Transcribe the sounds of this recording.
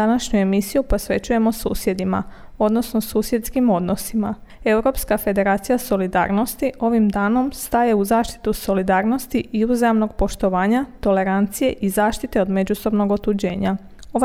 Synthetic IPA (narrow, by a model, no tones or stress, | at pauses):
anaʃɲue̞misijupo̞sʋe̞t͡ɕuje̞mo̞sṵːsje̞d̪ima̰ | o̞d̪no̞sno̞suːsje̞t̪skimo̞d̪no̞sima | e̞uɾo̞pskafe̞d̪e̞ɾaːt̪sijaso̞lid̪a̰ːɾno̞st̪iʔo̞ʋimd̪aːno̞mst̪aje̞uzaːʃt̪i̥t̪uso̞lid̪aːɾno̞st̪iiuzajemno̞ɡ̚po̞ʃt̪o̞ʋaːɲat̪o̞le̞ɾant̪sije̞ʔizaːʃt̪it̪e̞o̞d̪me̞d͡ʑuso̞bno̞ɡot̪ud͡ʑe̞̰ːɲa | o̞ʋ